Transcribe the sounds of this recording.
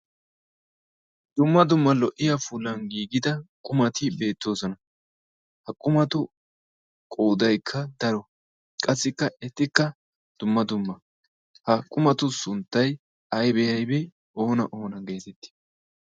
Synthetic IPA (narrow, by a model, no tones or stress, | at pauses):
d̪̥ʊmːɐd̪ʊmːɐlɔʔɪjɐfʊlːɐnɡiːɡɪd̪ɐkʼʊmɐt̪ɪbe̞ːt̪ːo̞ːsɔnɐ | hɐkʼʊmɐt̪ʊ | kʼoːd̪ɐjkʰːɐd̪ɐɾɔ | kʼɐsːɪkːɐɛt̪ːɪkːɐ | d̪̥ʊmːɐd̪ʊmːɐ | hɐkʼʊmɐt̪ʊsʊnt̪ːɐj | ɐjbɛjɐjbɛ | o̞ːnɐ̰ʔo̞ːnɐɡe̞ːt̪ɛt̪ːɪ̥